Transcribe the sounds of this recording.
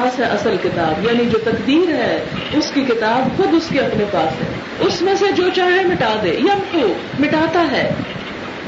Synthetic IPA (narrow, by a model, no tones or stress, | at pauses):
aːsɦɛʔɐsəlkɪt̪aːbjaːnid͡ʒoːt̪ɐkd̪iːɾɦɛː | ʊskikɪt̪aːbxʊd̪ʊskeɐpnepaːsɦɛ̰ː | ʊsmẽsed͡ʒoːt͡ʃaːɦemɪʈaːd̪eːjɐmkuː | mɪʈaːt̪aɦɛː